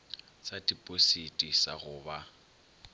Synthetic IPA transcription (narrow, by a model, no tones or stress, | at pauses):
sadipʼositʼisa̰ɣʊːba